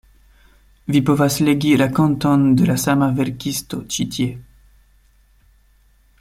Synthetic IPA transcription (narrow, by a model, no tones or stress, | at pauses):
vipɔvasleɡiɾakɔ̃nt̪ɔnd̪əlasamaveɾkʲist̪ot͡ʃit̪je